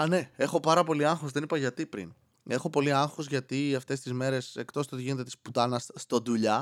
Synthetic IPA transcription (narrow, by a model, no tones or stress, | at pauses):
ɐne̞e̞xo̞pɐɾɐpo̞liɐŋxosðe̞nipɐʝɐt̪ipɾḭn | e̞xo̞po̞liɐŋxozʝɐt̪iɐft̪e̞st̪izme̞ɾe̞se̞kt̪o̞st̪ot̪iʝine̞t̪et̪isput̪ɐnɐsːt̪ond̪uʎɐ